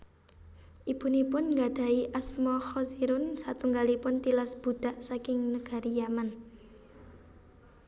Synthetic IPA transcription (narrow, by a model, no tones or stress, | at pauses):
ʔib̥unipʊnŋɡad̪̥ä̤iʔasmɔxɔziɾʊnsat̪uŋɡalipʊnt̪ilasb̥ṳd̪̥a̤ʔsakɪŋnəɡ̥a̤ɾijaman